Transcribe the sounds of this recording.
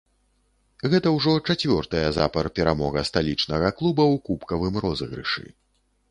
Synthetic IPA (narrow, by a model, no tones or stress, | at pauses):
ɣɛt̪ɐwʐɔt͡ʂat͡sʲvʲɔrt̪ɐjɐza̰pɐrpʲɛɾamɔɣɐst̪alʲit͡ʂnɐɣɐklˠubɐwkupkɐvɨmrɔzɨɣɾɨ̰ʂɨ̰